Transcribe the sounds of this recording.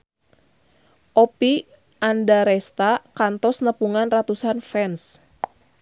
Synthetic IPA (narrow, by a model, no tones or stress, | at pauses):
ʔɔpi | andaɾɛst̪akant̪ɔsnəpuŋanrat̪usanfɛns